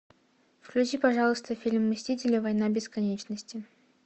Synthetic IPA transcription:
fklʲʉt͡ɕipɐʐɑlˠəst̪əfʲilʲmːɨsʲtʲitʲɪlʲɪvɐjnabʲɪskɐnʲet͡ɕnəsʲtʲɪ

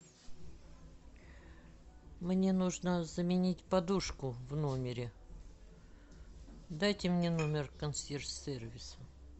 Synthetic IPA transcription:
mnʲe̞nuʐnəzəmʲɪnʲitʲpɐd̪uʂkʊvnomʲɪɾʲɪ | d̪ajtʲɪmnʲe̞no̞mʲɪrkɐnsʲersʲervʲɪsə

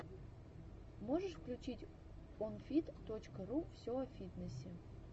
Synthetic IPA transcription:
moʒəʂfklʲut͡ɕitʲ | onfʲit̪ːot͡ɕkəɾufsʲoafʲit̪nəsʲe

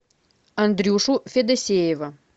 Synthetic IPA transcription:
ɐnd̪ɾʲuʂufʲed̪ɐsʲejevɐ

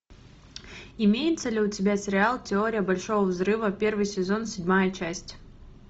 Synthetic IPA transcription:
ɪmʲejɪt̪səlʲɪʊtʲɪbʲasʲɪɾʲɪalˠtʲɪo̞ɾʲɪjəbɐlʲʂo̞vəvzɾɨvəpʲe̞rvɨjsʲɪzo̞nsʲɪdʲmajət͡ɕæsʲtʲ

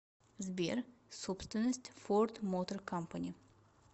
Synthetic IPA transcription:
zbʲḛrsopst̪vʲɪnːəsʲtʲford̪mot̪ərkampanʲɪ

